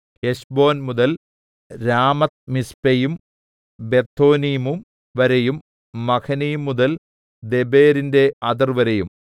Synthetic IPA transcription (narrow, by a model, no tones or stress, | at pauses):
heɕbo̞ːnmuðɐl | ɾaːmɐt̪̚mispejum | be̞t̪ʰːoːnijmum | ʋɐɾejumː | ɐkʰɐnijumːuðɐl | d̪e̞beːɾinde̞ɐd̪ɐrʋɐɾejum